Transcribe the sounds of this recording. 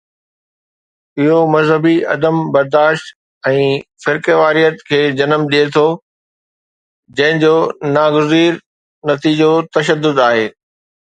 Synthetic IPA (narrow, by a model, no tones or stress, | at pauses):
ɪɦomɐzɦəbiɐ̰d̪əmbɐɾd̪aːʃt̪ | ɛ̃ːfɪɾkəʋaːɾijət̪kʰeːd͡ʑɐnəmɗiet̪ʰo | d͡ʑɐ̃ɦɪ̃ɲd͡ʑoːnaːɡʊziːɾ | nɐt̪iːd͡ʑot̪ɐʃ̬əd̪ːʊd̪aːɦeː